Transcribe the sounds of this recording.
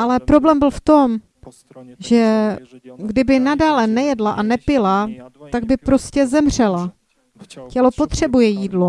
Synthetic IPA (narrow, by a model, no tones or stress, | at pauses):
ʔalɛpɾo̞blɛːmbɪlft̪o̞m | ʒɛ | ɡdɪbɪnadaːlɛnɛjɛdlaʔanɛpɪlat̪aɡ̚bɪpɾo̞scɛzɛmr̝ɛla | cɛlo̞po̞t̪r̝̥ɛbujɛjiːdlo